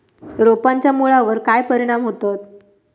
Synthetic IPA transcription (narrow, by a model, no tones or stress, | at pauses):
ɾopaɲt͡ɕjamuɭaʋəɾkajpəɾiɽ̃amɦot̪at̪